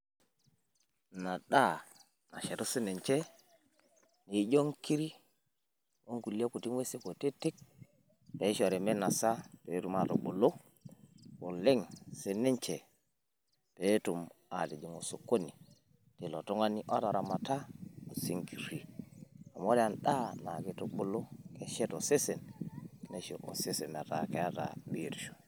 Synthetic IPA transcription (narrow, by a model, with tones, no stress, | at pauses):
na˨ɗa˦˨ | na̰˨ʃe˨ɾo˦se˦ne˨ɲt͡ʃe˦ | ni˨˦ɟo˦ŋki˦ɾi˦ | o˦ŋku˨li˦a˦ku˨ti˦ŋwe˦se˦ko˨te˦te˦k̚ | pe˨˦ʃo˨ɾe˨me˦na˨sa˦pe˨˦tu˨ma˨to̰˨ɓo˨lo˦ | ko˨le˦ŋse˦ne˦ɲt͡ʃe˨ | pe˦tu˨ma˨di˨d͡ʒi˨ŋo˨so˨kːo˦ni˨ | ti˨lo˨to˦ŋa˦ni˦ʔa˦ta˨ɾa˨ma˨ta˦o˨si˦ŋki˨ɾi˨a˨mo˦ɾe˦a˨nɗa˦na̰˨ke˦to˨ɓo˦lo˦ke˦ʃe˦to˨se˦se˨nne˨ʃo˨ʔo̰˨se˦se˨mḛ˨ta˨ke˨ja˦ta̰˨bi˨ɾʃo̥˨